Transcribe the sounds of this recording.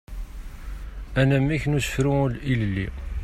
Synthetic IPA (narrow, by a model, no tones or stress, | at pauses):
ænæmːiçnusə̥fɾuulillːḭ